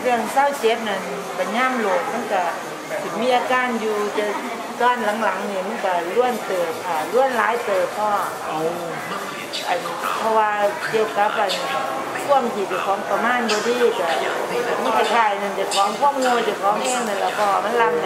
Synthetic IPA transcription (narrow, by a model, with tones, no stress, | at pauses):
kʰɯ˧˩əŋsaː˧˥˨wt͡ɕe˨˦˥p̚na˧˩n | pa˨˩jɲaː˧˥˨mlo˧˩k̚ma˧˥˨nka˧˩ | sʰi˨˩miː˧˥ʔaː˧kaː˧˥˨njuː˧t͡ɕa˧ | sɔː˧˩˨nla˨˦ŋla˨˦ŋniː˧˩ma˧˥˨nka˧˩lu˧˥˨ənt̪ɤː˨˩t̪̚ʔaː˨˩lu˧˥˨ənlaː˨˦jt̪ɤː˨˩t̪̚pʰɔː˧˩˧ʔo˧˩ | ʔa˨˩n˨pʰɔ˧waː˧t͡ɕe˧˩ka˧˦˥p̚a˨˩n˨ | kʰu˧˥˩əmt̪ʰi˧˩t͡ɕa˨˩kʰɔː˨˦ŋpa˧maː˧˥˨nbɔː˧diː˧˥˩ka˧˩˧ma˧˥˨kʰa˧˩t̪ʰaː˧˩˨jna˧˩nt͡ɕa˨˩kʰɔː˨˦ŋkʰu˧˥˩əmnu˧˨jt͡ɕa˨˩kʰɔː˨˦ŋhɛː˧˥˩ŋna˧˩lɛ˧˩bʰɔː˧˩ma˧˥˨nla˧˩mna˧